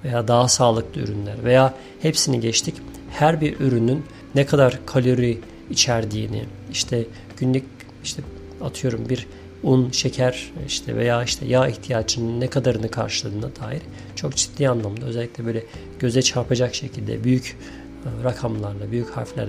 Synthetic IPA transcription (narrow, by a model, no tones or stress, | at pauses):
ve̞jaːd̪aɦasaːlˠɯklˠɯy̰ɾynlʲæɾve̞jaː | hepsiniɟɛt͡ʃt̪ʰic | hæɾbiɾyɾynynː | ɛkʰad̪aɾkʰalʲo̞ɾiː | t͡ʃʰæɾd̪iːnḭ | iʃt̪ʰɛ | ɟ̥ynlʲyc | iʃt̪ʰɛ | at̪ʰɯjo̞ɾumbiɾ | unʃecʰæɾiʃt̪ʰɛ̰vḛjaːiʃt̪ʰɛ̰jaiçt̪ʰijaːt͡ʃininːɛkʰad̪aɾɯnɯkʰa̰ɾʃɯlˠɯːɯnad̪̥aːjiɾ̥ | t͡ʃʰo̞kd͡ʒi̥t̪d̪ʲiːanlˠamd̪aøzɛlʲːicʲlʲɛbøjlʲɛ | ɟ̥ø̞zɛt͡ʃʰaɾpʰad͡ʒakʃe̞cʰilʲd̪ɛ̰byjyc | ɾakʰamlˠaɾlˠabyjycha̰ɾflʲæ̰ɾ